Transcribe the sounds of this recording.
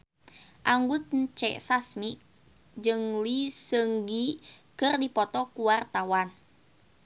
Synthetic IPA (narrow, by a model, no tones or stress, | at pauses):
ʔaŋɡut̪̚ɲt͡ʃɛ̰ʔsasmi | d͡ʒɨŋlisəŋɡikɨrdipɔt̪ɔkuwart̪awan